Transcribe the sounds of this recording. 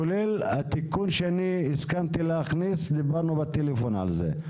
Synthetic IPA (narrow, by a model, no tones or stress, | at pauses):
olelat̪ikunʃeaniːskant̪ileaχnisd̪ibaʁnubat̪elefona̰lzḛ